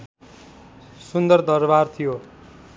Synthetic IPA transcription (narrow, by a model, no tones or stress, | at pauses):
sund̪ʌrd̪ʌrbart̪ʰijo